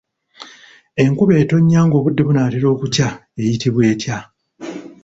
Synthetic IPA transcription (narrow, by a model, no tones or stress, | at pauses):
e̞ŋkuβe̞ːto̞ɲːaːŋɡo̞ːβudːe̞βunaːteɾo̞ːkutjae̞jitiβwe̞ːtja